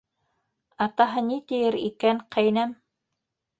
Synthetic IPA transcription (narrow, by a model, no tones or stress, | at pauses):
ɑt̪ɑɦɤnit̪ɘ̆jɘɾḭkæŋqʰæjnæm